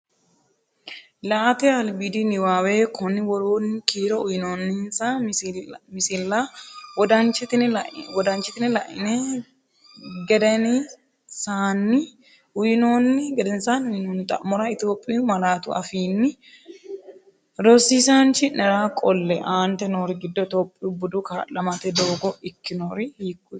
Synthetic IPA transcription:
laʔt̪ɛɐlbid̪ɪnɪwaːweːkʰɔnːɪwɔɾoːnːɪkiːɾɔʊjɪnoːnːɪhɪnsa | mɪsɪlːɐwɔd̪ɐnt͡ʃːɪt̪ɪnʔwɔd̪ɐnt͡ʃːɪt̪ɪnɪlɐʔɪnɛ | ɡɛd̪ɛnɪ | saːnːɪ | ʊjɪno̞ːnːɪɡɛd̪ɛnsaːnʊjnoːnt̪ʼɐ̰ʔmɔɾɐɪt̪joːpʼːmɐlaːt̪ʊɐ̰fiːnːɪ | ɾɔsiːsaːnt͡ʃɪnɛɾaːkʼɔlːɛʔaːnt̪ɛnoːɾɪɡɪd̪ːɔt̪ɔpʼːɪʊbʊd̪ʊkaːlɐmɐt̪ɛd̪o̞ːɡɔɪkːɪnoːɾɪhiːkːʊ

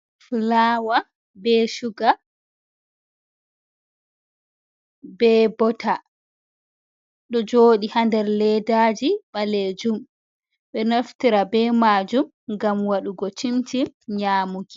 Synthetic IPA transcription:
fulaːwa | bɛʃuɡa | bɛbɔta | ɗɔd͡ʒoːɗihandɛɾlɛdaːd͡ʒiɓaled͡ʒum | ɓɛnoftiɾabɛmaːd͡ʒum | ŋɡamwaɗuɡɔt͡ʃimtimɲaːmuɡi

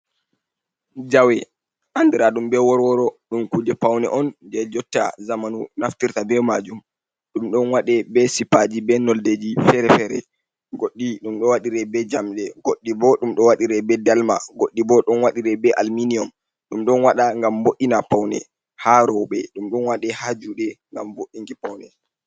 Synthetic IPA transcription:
d͡ʒawɛ | ʔandiɾaɗumbɛwɔɾwɔɾɔɗumkud͡ʒɛpawnɛ̰ʔɔnd͡ʒɛd͡ʒɔtːa̰zamanunaftiɾtabɛmad͡ʒum | ɗumɗɔnwaɗɛbɛsipad͡ʒibɛnɔlded͡ʒifɛɾɛfɛɾɛ̰ | ɡoɗːiɗumɗɔwaɗiɾɛbɛd͡ʒamɗɛɡoɗːibɔɗumɗɔwaɗiɾɛbɛdalma̰ɡoɗːibɔɗɔnwaɗiɾɛbɛʔalminiɔm | ɗumɗɔnwaɗaŋɡamboʔːinapawnɛ̰ | haɾɔwɓɛɗumɗɔnwaɗɛhad͡ʒuɗɛŋɡamboʔiŋɡipawnɛ

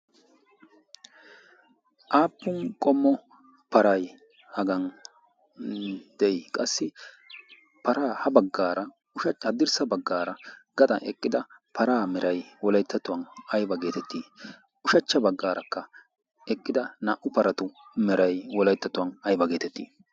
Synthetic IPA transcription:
ʔaːpːʊnkʼɔmːɔ | pɐɾɐj | hɐɡɐn | d̪̥ɛjkʼɐsːɪ | pɐɾaːhɐbɐɡːaːɾɐ | ʊʃɐt͡ʃhɐd̪ːɪɾsɐbɐɡːaːɾɐɡ̥ɐt̪ʼɐ̰ʔɛ̰kʼːɪd̪ɐpʰɐɾaːmɛɾɐjwɔlɐjt̪ːɐt̪ʊwɐnɐjbɐɡe̞ːt̪ɛt̪ːiː | ʊʃɐt͡ʃːɐbɐɡːaːɾɐkːɐ | ɛkʼːɪd̪ɐnɐʔʊpɐɾɐt̪ʊmɛɾɐjwɔlɐjt̪ːɐt̪ʊwɐnɐjbɐɡe̞ːt̪ɛt̪ːḭː

